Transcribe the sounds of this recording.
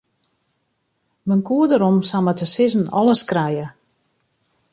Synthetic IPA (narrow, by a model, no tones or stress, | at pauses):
mənkuədəɾɔmsamətəsɪzənɔ̰ləskrɛjə